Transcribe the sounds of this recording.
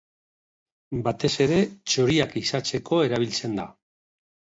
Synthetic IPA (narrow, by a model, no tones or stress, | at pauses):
bat̪e̞se̞ɾe̞t͡ʃoɾiakisat͡se̞kʰo̞e̞ɾaβ̞ilt͡se̞nd̪a